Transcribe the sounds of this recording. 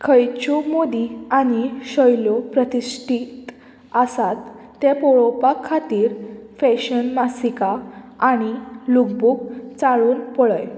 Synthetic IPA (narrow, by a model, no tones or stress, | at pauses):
kʰəjt͡ɕomod̪iañiɕəjlɔpɾət̪isʈʰiːt̪ | əsat̪ː | ɛ̃pɔɭɔpakʰːat̪iːɾfɛɕənmasikaaɽ̃ilukbukt͡saɭuːnpɔɭəj